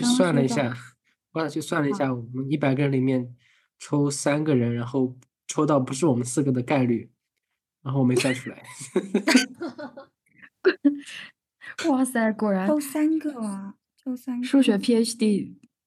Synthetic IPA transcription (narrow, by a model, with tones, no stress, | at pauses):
t͡ɕo˥˧swa˥˩nlə˩i˧˥ɕja˥˩ | xwa˧˩t͡ɕʰo˥˧ʊswa˥˩nlə˩i˧˥ɕja˥˩wɔ˨˩mə˦ni˥˩pa˨˩ɪɡə˩ɻə˧˥nli˨˩mjɛ˥˩n | ʈ͡ʂʰo˥ʊsa˥nɡə˨ɻə˧˥nɻa˧˥nxo˥˩ʊ | ʈ͡ʂʰo˥ʊt̪ɑ˥˩ʊpu˧˥ʂɻ̩˥˩wɔ˨˩mə˦nsɹ̩˥˩ɡə˩d̪ə˩ka˥˧ɪly˥˩ | ɻa˧˥nxo˥˩˨me˧˥ɪswa˥˩nʈ͡ʂʰu˥la˧˥ɪ | kɑ˥˩sa˥˩˧kwɔ˥˩ɻa˧˥a˥nə | ʂu˥˩ɕɥɛ˧˥pʰi˥ɛ˥st̪i˥˧˩